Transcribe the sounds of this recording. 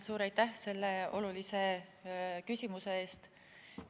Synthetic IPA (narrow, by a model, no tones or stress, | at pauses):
suːɾɑjt̪ːˑæhse̞lːeo̞lulise̞ | kysʲimuse̞eːst̪